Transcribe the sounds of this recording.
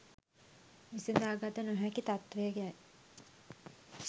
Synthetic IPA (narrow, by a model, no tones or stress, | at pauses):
misind̪aːɡat̪ənoɦækit̪at̪ʋeəɡeaj